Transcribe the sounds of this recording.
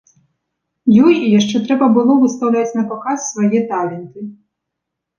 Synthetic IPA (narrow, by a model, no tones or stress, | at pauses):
jɔjijaʂt͡ʂɛt̪ɾɛbɐbɨlˠɔvɨst̪ɐwlʲat͡sʲnɐpɔkasːvajɛt̪alʲɛnt̪ɨ